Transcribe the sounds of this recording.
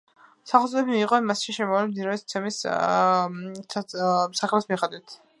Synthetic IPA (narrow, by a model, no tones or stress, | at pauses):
saχlt̪zʼɔɛbimiːqʼɔnmasʃiʃɛmɔvlɛmd̪iɾaɛt̪t̪sʰɛmis | saχlɛsmiχad̪wit̪ʰ